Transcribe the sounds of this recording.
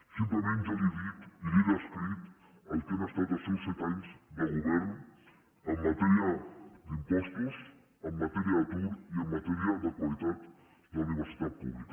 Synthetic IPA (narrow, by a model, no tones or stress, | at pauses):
simpləmẽnʒaβiβit̪iðiðəskɾit̪ | əlk̪ɛməst̪at̪asɛwsɛt̪aɲzd̪əlˠɣuβɛɾn | əmːət̪ɛɾiəd̪impɔst̪uz | əmːət̪ɛɾiat̪uɾiəmːət̪ɛɾiad̪əkwalit̪at̪ | d̪əwniβ̞əɾsit̪at̪̚pṵβlikə